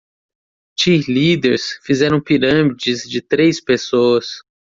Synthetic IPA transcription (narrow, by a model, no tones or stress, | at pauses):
t͡ʃihlid̪eɾsfizɛɾɐ̃w̃piɾɐ̃mid͡ʒɪzd͡ʒɪt̪ɾejspesoɐs